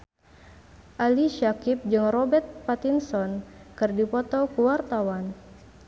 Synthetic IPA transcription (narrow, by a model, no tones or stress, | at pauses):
ʔaliʃakip̚d͡ʒɨŋrɔbɛrt̪̚pat̪insɔnkɨrdipɔt̪ɔkuwart̪awan